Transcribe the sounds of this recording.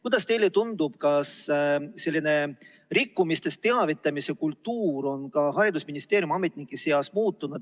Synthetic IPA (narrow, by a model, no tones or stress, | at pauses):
kujd̪̥ɑst̪e̞jlet̪und̪ub̥̚kɑsse̞lːine̞ | rikːumist̪e̞st̪t̪e̞ɑvit̪ˑːɑmise̞kult̪ːuːɾo̞nkɑhɑɾid̪usminist̪e̞ːɾjumɑme̞t̪ˑnikːˑise̞ɑsmuːt̪ːunud̪̥̚